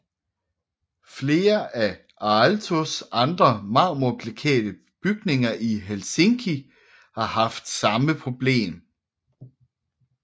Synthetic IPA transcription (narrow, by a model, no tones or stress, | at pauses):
fle̝ːɐʔæ | ʔɑlt͡sʰo̝sɑ̈nd̥ʁɐmɑ̈ːmopʰlekʰɛ̰ːd̥ə | b̥yɡ̥̚ne̝ŋɐʔiɦelse̝ŋkʰi | hɑ̈hɑ̈fd̥sɑ̈məpʰʁo̝b̥le̝̰ːm